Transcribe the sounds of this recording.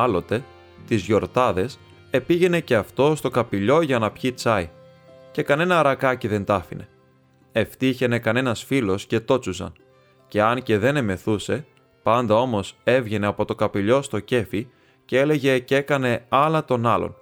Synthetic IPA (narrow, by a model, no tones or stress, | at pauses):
ɐlo̞t̪e̞ | t̪izʝo̞ɾt̪ɐðe̞s | e̞piʝe̞ne̞ce̞ɐft̪o̞st̪o̞kɐpiʎo̞ʝɐnɐpçit͡sɐi | ce̞kɐne̞nɐɾɐkɐciðe̞nt̪ɐfḭne̞̰ | e̞ft̪içe̞ne̞kɐne̞nɐsfilo̞sce̞t̪o̞t͡susɐ̰n | ce̞ɐnce̞ðe̞ne̞me̞θuse̞ | pɐnd̪ɐo̞mo̞se̞vʝe̞ne̞ɐpo̞t̪o̞kɐpiʎo̞st̪o̞ce̞fi | cee̞le̞ʝe̞ce̞kɐne̞ɐlɐt̪o̞nɐlo̞̰n